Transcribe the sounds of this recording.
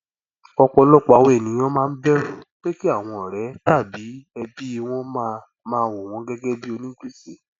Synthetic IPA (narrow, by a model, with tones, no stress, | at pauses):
ɔ˧k͡pɔ˧lɔ˦k͡pa˧˨we˦˨nĩ˨˦j̃ɔ̃˦mãː˦˧n̩˦bɛ˦ɾo˨k͡pe˦ki˦a˦˨w̃ɔ̃˧ɔ˨ɾɛ˨˦ta˦˨bi˨˦ɛ˧bi˦˧w̃ɔ̃˦mã˦ | mãː˦wo˨w̃ɔ̃˧˦ɡɛ˦ɡɛ˦bi˦o˧nĩ˦ki˦si˨